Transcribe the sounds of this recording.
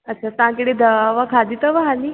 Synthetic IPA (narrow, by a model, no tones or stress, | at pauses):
əːɕʰat̪ãkəɽed̪əaʋakʰad̪it̪əʋaɦani